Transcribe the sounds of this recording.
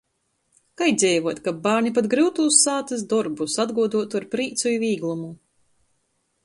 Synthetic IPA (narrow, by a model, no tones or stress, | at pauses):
kajd̪zʲɛjvuɔt̪kabaːɾnʲipat̪ɡɾɨwt̪uːsːaːt̪ɨsd̪ɔɾbusad̪ɡuɔd̪uɔt̪uaɾpɾiːt̪sujivʲiːɡlˠumu